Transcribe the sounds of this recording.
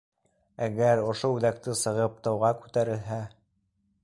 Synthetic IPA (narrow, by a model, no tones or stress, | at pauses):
æɡæɾŏʃoʉðæk̚t̪ɘsɤ̆ʁɤp̚t̪ɤ̆wʁɑkʉt̪æɾɘ̆lɦæ